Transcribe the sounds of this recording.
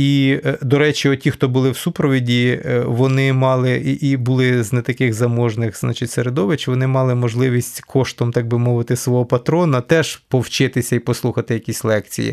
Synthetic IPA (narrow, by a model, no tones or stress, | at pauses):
id̪ɔɾɛt͡ʃʲiɔtʲixt̪ɔbʊlˠɪwsupɾɔʋʲidʲiʋɔnɪmɑlˠɪʔibʊlˠɪznɛt̪ɐkɪɣzɐmɔʒnɪxznɑ̰t͡ʃɪtʲseɾed̪ɔʋɪt͡ʃʋɔnɪmɑlˠɪmɔʒlˠɪʋʲisʲtʲkʰɔʃt̪ɔmt̪ɑɡ̚bɪmɔʋɪt̪ɪsʋɔɦɔpɐt̪ɾɔnɐt̪ɛʒpɔwt͡ʃɪt̪ɪsʲɐipɔslˠuxɐt̪ɪjɐkʲisʲlˠɛk̚t͡sʲḭjḭ